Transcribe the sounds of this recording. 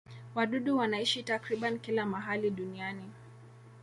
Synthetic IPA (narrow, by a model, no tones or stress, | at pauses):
waɗuɗuwanaiʃitakɾiɓankilamaɦaliɗuniani